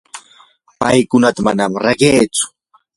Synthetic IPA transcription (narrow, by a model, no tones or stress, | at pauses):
pajkʊnat̪amanamɾaɢeːt͡sʊ̥